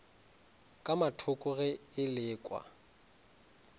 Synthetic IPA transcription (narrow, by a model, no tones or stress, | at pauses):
kʼamatʰʊkʼʊɣɛɪlɪːkʼwa̰